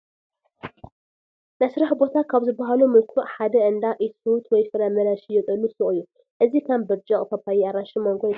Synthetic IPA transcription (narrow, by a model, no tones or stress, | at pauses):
mɐsɾaħbo̞t̪ʰakʰaβzɨbːɐɦalumɨlkʰuʔħad̪ɐʔɨnd̪aʔiut̪ʰwɔjfɨɾamɐɾaʃijɛkʼɨlːɨsɨχʼɨjːu | ʔɨzikʰɐmbɐβd͡ʒʼɐχʼkʰɐpʰːajiaɾaʃimoŋɡo